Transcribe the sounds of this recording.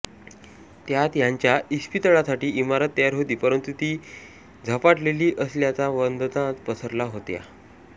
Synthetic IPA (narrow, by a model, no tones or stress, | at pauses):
t̪jat̪jaɲt͡ɕjaispit̪əɭasaʈiːimaɾət̪ːəjaɾɦot̪iːpəɾənt̪ut̪iː | d͡zʱəpaʈleliːʔəsljat͡saʋənd̪t̪ãt̪pəsʰəɾlaɦot̪ja̰